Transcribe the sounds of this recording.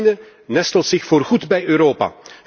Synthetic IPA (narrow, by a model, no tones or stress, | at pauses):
nə | nɛstəlˠsɪxfoːrɣudbɛjøːɾoːpa̰